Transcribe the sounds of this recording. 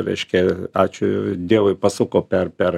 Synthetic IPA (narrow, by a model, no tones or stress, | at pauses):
ɾɐ̰ɪʃʲkʲɛɑːt͡ʃʲʊd̪ʲiɛʋʊɪpɐsuːkoːpʲɛrpʲɛr